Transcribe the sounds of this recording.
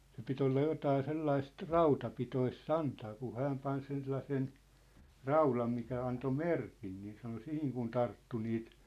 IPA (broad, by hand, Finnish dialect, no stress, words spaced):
se pit olːɑ jotɑː selːɑist rɑutɑpitois sɑntɑː ku hæːm pɑn sen selːɑsen rɑulɑm mikæ ɑnto merkin niːn sɑno sihiŋ kun tɑrtːu niːt